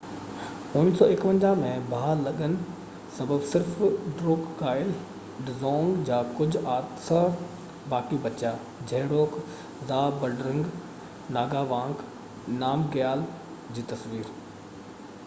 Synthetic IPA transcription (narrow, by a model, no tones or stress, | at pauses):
ʊnsɔːɪkʋə̃ɲd͡ʑamẽbʱaːlɐɠənɪ̆ | sɐbəbsɪɾfɖɾoːkːaːɪl | ɖɪzɔ̃ːŋɡd͡ʑaːkʊd͡ʑʱʊaːt̪sə | baːkijũbɐt͡ɕjaː | d͡ʑʱɐɦɪɽoːk | zaːbɐɖɾɪ̃ŋɡ | naːɡaʋãːŋk | naːmɡjaːl | d͡ʑiːt̪ɐsʋiːɾ